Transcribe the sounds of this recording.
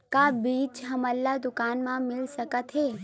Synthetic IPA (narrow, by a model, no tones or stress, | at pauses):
kabiːt͡ʃɦɐmɐlːad̪ʊkaːnmãmɪlsɐkət̪ɦeː